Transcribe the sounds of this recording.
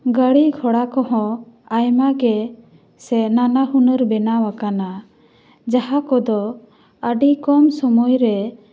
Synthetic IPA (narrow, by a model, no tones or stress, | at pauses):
ɡəɽiɡʱɔɽakɔɦɔ̃ajmaɡɛ | sɛnanaɦunəɾbɛnawakana | d͡ʒaɦakɔd̪ɔ | əɖikɔmsɔmujɾɛ